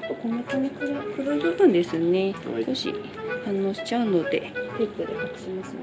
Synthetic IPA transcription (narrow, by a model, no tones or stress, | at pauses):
komot̪omikɯɾkɯɾod̪at̪ːãnd̪e̞sɨne̞koɕḭ | hãnːo̞ːɕi̥t͡ɕaɯ̟no̞d̪e̞̰t̪ekːɯd̪ekakɯ̥ɕimasɨ